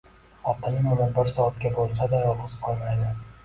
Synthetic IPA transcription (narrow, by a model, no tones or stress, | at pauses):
ɒt̪ʰːanɪnʊɾanbɪɾsɒːt̪̚kʲabolˠsad̪ajɒhʊzqʰɒlˠmajd̪ɪ